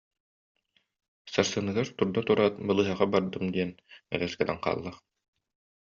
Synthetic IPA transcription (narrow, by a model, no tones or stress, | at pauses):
sɑɾsɯnɯɡaɾt̪uɾd̪at̪uɾaːt̪̚bɯ̆lˠɯɦɑʁɑbɑɾd̪ɯmd̪iɛnɛ̰lɛskɛnæɴqɑ̰ːlˠːɑχ